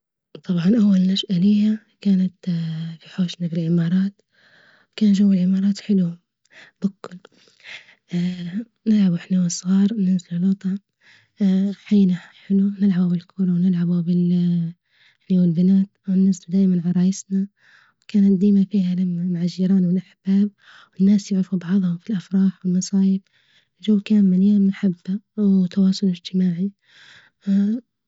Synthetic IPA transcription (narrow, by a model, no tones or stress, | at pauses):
t̪ˤʰɑbʕɑnʔawːalnaʃʔalɪjːa | kaːnat̪fiħoːʃnabɪlʕɪmɑːɾˤɑːt̪ | wkaːnʒawːɪlʕɪmɑːɾˤɑːt̪ħɪlu | bakːʊl | nɪlʕabuħnawasˤɣɑːɾˤnɪnzallʊt̪ˤɑ | ħajːnaħɪlunɪlʕabubɪlkʰʊɾˤɑwnɪlʕabubɪl | ħnawɪlbɪnaːt̪wɪnːazld̪aːʔmanʕɑɾˤɑːjɪsna | wkaːnat̪̚d̪iːmafiːhalamːamʕaʒiːɾˤɑːnwɪlʔaħb̥aːb̚ | wɪnːaːsjʊʕɾɑfubɑʕðˤhʊfilʔafɾˤɑːħwɪlmːɑsˤɑːjɪf | d͡ʒuːwkaːmːɪljaːmːaħabːawt̪ɑwɑːsˤʊlɪd͡ʒt̪ɪmaːʕi